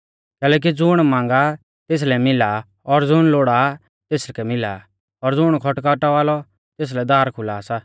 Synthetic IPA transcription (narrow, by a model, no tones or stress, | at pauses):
kɛːlɛːk̬id͡zʊɽ̃mãːŋ̆ɡa | t̪eːs̬lɛmɪla | ɔɾd͡zʊɽ̃loːɽa | t̪eːskɛmɪla | ɔɾd͡zʊɽ̃kʰɔʈkaʈaʋaːlɔ | t̪eːs̬lɛd̪aːɾkʰʊlaːsaː